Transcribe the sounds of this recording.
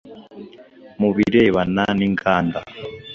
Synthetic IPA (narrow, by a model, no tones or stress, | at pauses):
muβiɾeβananiŋkʰaːnda